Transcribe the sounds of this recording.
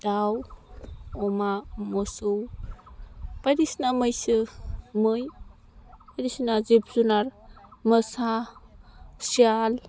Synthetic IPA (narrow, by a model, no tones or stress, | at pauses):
d̥aw | ɔmamɔsuw | pajɾisnamɯjsɯmɯj | pajɾisnazep̚ʰz̥unaɾmɯsa | sial